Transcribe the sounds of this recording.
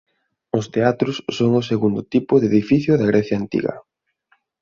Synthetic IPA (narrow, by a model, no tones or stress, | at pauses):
ʊst̪eat̪ɾʊsːoŋʊseɣund̪ʊt̪ipʊðeðifiθjʊðɐɣɾɛθjaːnt̪ḭɣɐ̰